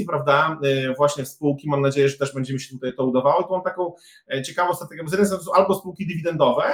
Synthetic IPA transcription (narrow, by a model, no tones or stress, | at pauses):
ipɾavd̪avwaɕɲɛfspuwkʲimamnad͡ʑejɛʐɛt̪ɛʐbɛɲd͡ʑɛmɘɕ̬ɛt̪ut̪ajt̪ɔud̪avawɔt̪ɔmamt̪akɔ̃w̃ | t͡ɕɛkavɔ̃w̃sat̪ɛɡʲjɛbɔzjɛd̪msssw̃ʔalbɔspuwkʲid̪ivʲid̪ɛnd̪ɔvɛ